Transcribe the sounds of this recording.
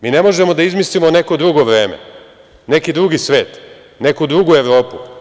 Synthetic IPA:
miːne̞mo̞ʒe̞mo̞d̪aizmislimo̞ne̞kod̪ɾuɡo̞ʋɾe̞ːmḛ | ne̞kid̪ɾuɡisʋe̞ːt̪ | ne̞kud̪ɾuɡue̞ʋɾo̞ːpu

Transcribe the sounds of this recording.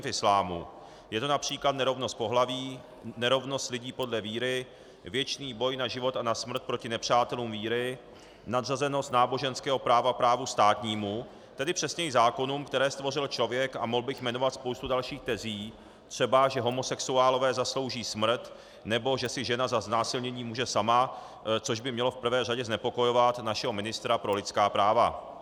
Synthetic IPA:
fɪslaːmṵ | jɛt̪onapr̥iːklat̪nɛɾo̞vno̞st̪̚po̞ɦlaviː | nɛɾo̞vno̞st̪lɪɟiːpo̞dlɛviːɾɪ | vjɛt͡ʃniːbo̞jnaʒɪvo̞t̪anasmr̩t̪̚pɾo̞cɪnɛpr̝̥aːt̪ɛluːmviːɾɪ | nad̪razɛno̞st̪naːbo̞ʒɛnskɛːɦo̞pɾaːvapɾaːvust̪aːt̪ɲiːmu | t̪ɛdɪpr̝̥ɛsɲɛɪzaːko̞nuːmkt̪ɛɾɛːst̪vo̞rɪlt͡ʃlo̞vjɛkamoɦlbɪxmɛno̞vat̪spowst̪udalʃiːxt̪ɛziː | t̪r̝̥ɛbaʒɛɦo̞mo̞sɛksuaːlo̞vɛːzaslo̞wʒiːsmr̩t̪ | nɛbo̞ʒɛsɪʒɛnazaznaːsɪlɲɛɲiːmuːʒɛsama | t͡so̞ʒbɪmɲɛlo̞fpr̩vɛːr̝aɟɛznɛpo̞ko̞jo̞vat̪naʃɛɦo̞mɪnɪst̪ɾapɾo̞lɪtt͡skaːpɾaːva

